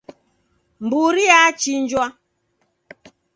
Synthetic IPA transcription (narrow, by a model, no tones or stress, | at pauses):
mbuɾiat͡ʃind͡ʒwa